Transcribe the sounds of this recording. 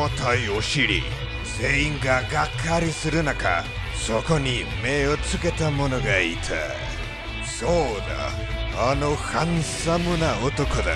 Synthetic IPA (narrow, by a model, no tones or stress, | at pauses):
ot̪aioɕiɾḭ | seiŋɡaɡakʰːaɾisɨɾɯnaka̰ | sokoɲimeot͡sɨket̪amonoɡait̪ʰa̰ | soːd̪a̰ | anohansamɯnaot̪okɯd̪a̰